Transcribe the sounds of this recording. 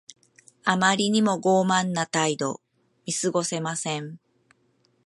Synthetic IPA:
amaɾʲiɲ̟imo̞ɡo̞ːmãnːat̪aid̪o̞̰ | mʲisɨɡo̞se̞masẽ̞ɴ

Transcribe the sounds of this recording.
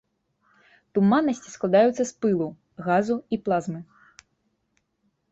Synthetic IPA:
t̪umanːɐsʲt͡sʲisklˠad̪ajut̪sːɐspɨlˠu | ɣazuiplˠazmɨ

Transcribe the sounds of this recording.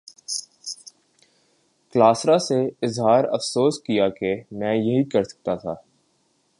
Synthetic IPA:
klaːsɾaseɪzɦaːɾɐ̰fsoːskijakemɛ̃ːjɐɦikɐɾsɐ̥k̚t̪at̪ʰaː

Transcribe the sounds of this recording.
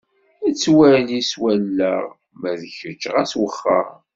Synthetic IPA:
æt͡sːwæliswælːəʁ | mæðəçət͡ʃːʁæswəχːə̰

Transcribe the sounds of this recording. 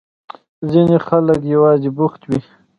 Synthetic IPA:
zinexalək̬jawɑːzibʊxt̪wi

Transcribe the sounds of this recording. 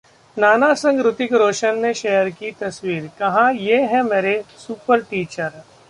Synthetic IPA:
naːnasɐ̃ŋɡɾʊt̪ɪkɾoːʃənːeʃeɦəɾkit̪ɐswiːɾkɐɦãjeːɦɛ̃meːɾesuːpəɾʈiːt͡ʃəɾ

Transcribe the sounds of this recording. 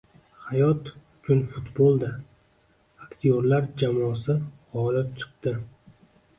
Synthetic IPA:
hajɒt̪ʊt͡ʃʰʊnfʊt̪bolˠd̪ɪ | akt̪ʰijoɾlaɾd͡ʒamɒsɪʁɒlɪp̚t͡ʃʰɨ̥q̚d̪ɪ

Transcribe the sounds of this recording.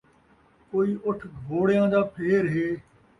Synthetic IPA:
koːiːʔʊʈʰɡʱoːɽɪjãːd̪aːpʰeːɾɦeː

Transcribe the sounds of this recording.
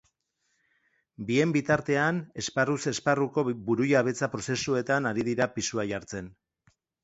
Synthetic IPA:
bie̞mbit̪aɾt̪e̞ane̞sparuse̞sparuko̞buɾujaβ̞e̞t͡sapɾo̞se̞sue̞t̪anaɾiðiɾapisuaʝaɾt͡se̞n

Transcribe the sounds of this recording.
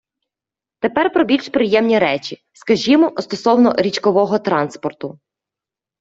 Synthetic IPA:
t̪epɛrpɾɔbʲilʲʃpɾɪjɛmnʲiɾɛt͡ʃʲi | skɐʒʲimɔst̪ɔsɔwnɔɾʲit͡ʃkɔʋɔɦɔt̪ɾɑnspɔrt̪ʊ

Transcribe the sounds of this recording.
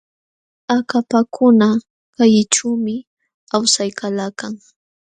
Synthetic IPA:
akapakʰʊna | kajɪʈ͡ʂuːmɪ | awsajkalaːkaŋ

